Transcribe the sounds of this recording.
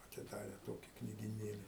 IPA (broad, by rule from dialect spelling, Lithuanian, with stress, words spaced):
ɐtʲɪˈdɑːrʲɛ ˈtoːkʲɪ knʲiːɡʲɪˈnʲeːlʲɪ